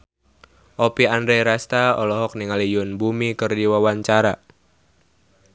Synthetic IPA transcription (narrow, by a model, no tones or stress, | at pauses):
ʔopiandɾeɾast̪aɔ̰lɔɦɔk̚niŋalijʊnbumikɨrdiwawaɲt͡ʃaɾa